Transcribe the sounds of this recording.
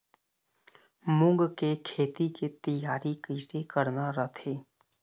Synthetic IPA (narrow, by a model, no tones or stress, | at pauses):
mʊ̃ŋɡkekʰeːt̪iket̪əjaːɾikəjsekəɾnaɾət̪ʰeː